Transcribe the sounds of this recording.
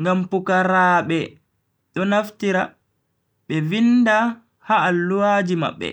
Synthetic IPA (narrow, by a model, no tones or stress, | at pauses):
ŋɡampukaɾaːɓɛ | ɗɔnaftiɾa | ɓɛvinda | haːlːuwaːd͡ʒima̰ɓːɛ̰